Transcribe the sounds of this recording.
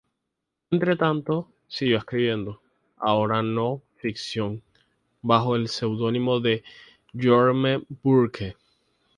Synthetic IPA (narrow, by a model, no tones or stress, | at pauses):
ent̪ɾe̞t̪ant̪o̞ | siɣoeskɾiβje̞nd̪o̞ | a̰o̞ɾano̞fiksjo̞ŋ | baxo̞else̞wðo̞nĩmo̞ðe̞ | ʝoɾmebuɾkʰe